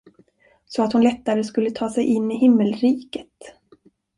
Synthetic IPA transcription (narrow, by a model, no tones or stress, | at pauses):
sɔat̪hʊnlɛt̪ːaɾəskɵlːət̪ʰɑːsɛjʔɪnːɪɦɪmːəlɾiːkət̪